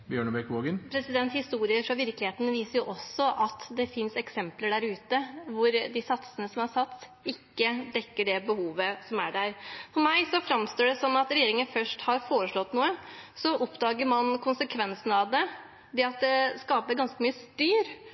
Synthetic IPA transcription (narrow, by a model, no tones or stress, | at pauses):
bjøːɳəbɛkʋoːɡənpʰɾɛsɪd̪ɛnt̪hɪst̪uːɾɪəɾfɾɑʋɪɾklɪheːt̪ənəʋiːsəɾjʊʔɔsːɔʔɑt̪d̪ɛfɪnsɛksɛmpləɖæɾʉːt̪əʋʊɾd̪ɪsɑt̪sənəsɔmæɾsɑt̪sɪkːəd̪ɛkːəɖɛbəhuːʋəsɔmæɖæɾfɔɾmæɪsɔfɾɑmst̪oːɖɛsɔnːɑt̪ɾɛjeːɾɪŋənfœʂʈhɑɾfoːɾəʂɭɔt̪ːnuːəsɔʔɔpd̪ɑːɡəɾmɑnkʰʊnsəkʰʋɛnsənəɑʋd̪ɛ | d̪ɛɑt̪̚d̪ɛskɑːpəɾɡɑnskəmyːəst̪yːɾ